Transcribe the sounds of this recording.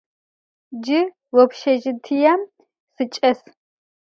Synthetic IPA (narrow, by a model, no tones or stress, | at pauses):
d͡ʒɪ | wɔpʃɐʒɪt̪ʰijɐm | sɨt͡ʃʼɐs